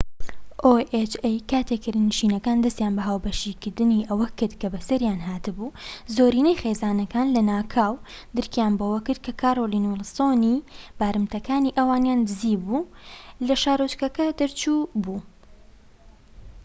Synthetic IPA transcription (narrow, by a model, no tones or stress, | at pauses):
ʔoʔet͡ʃejkaːt̪ʰekːɨɾnɨʃiːnɐkaːnd̪ɐst̪jaːnbɐɦaːwbɐʃikɨɾd̪ɨniʔɐwɐkɨɾd̪kɐbɐsɐɾjaːnɦaːt̪ɨbuzoːɾiːnejxeːzaːnɐkaːnlɐnaːkʰaːwd̪ɨɾkjaːnbowɐkɨɾd̪̚kʰɐkʰaːɾolinulˠsonib̥aːɾɨmt̪ʰɐkaːniʔɐwaːnjand̪ɨziːbulɐʃaːɾot͡ʃkɐkɐd̪ɨɾt͡ʃubuː